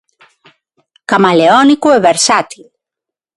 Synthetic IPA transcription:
kamaleɔnikueβeɾsat̪il

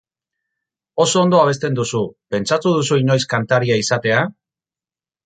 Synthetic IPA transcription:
o̞so̞ːnd̪o̞aβe̞st̪e̞nd̪usupe̞nt͡sat̪uð̞usuino̞jskant̪aɾiaisat̪e̞a

